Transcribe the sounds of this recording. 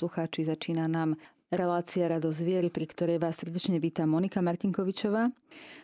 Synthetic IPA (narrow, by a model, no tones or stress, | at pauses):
luxaːt͡ʃizat͡ʃiːnanaːm | ɾɛlaːt͡siaɾad̪ɔzzʋɪɛɾipɾikt̪ɔɾɛjʋaːssrɟɛt͡ʃɲɛʋiːt̪amɔnikamaɾciŋkɔʋit͡ʃɔʋaː